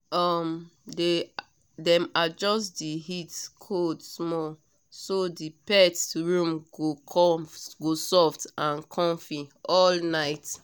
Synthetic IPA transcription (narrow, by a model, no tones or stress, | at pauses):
ɔmde | dɛ̃mad͡ʒɔstdiɦitkʰodsmɔl | sodipɛtɹũmɡokʰɔɡosɔftãnkʰɔ̃mfiɔlnaɪt